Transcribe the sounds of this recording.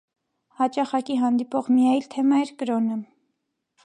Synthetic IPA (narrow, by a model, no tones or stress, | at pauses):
hɑt͡ʃɑχɑkiɦɑnd̪ipɔʁmijɑjlt̪ʰɛmɑɛɾkəɾɔnə